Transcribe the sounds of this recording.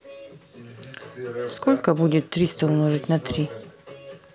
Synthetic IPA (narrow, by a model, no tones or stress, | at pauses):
skolʲkəbudʲɪt̪ːɾʲist̪əunəʐɨtʲnɐt̪ɾʲi